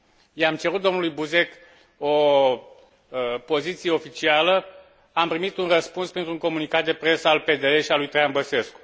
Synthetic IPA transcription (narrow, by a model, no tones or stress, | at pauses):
jeamt͡ʃe̞ɾut̪̚d̪omnulujbuze̞k | o | po̞zit̪sijeo̞fit͡ʃialə | ampɾimit̪unrəspunspɾent̪ɾuŋko̞munikat̪̚d̪e̞pɾe̞səalpe̞d̪eeʃialujt̪ɾejanbəse̞sku̥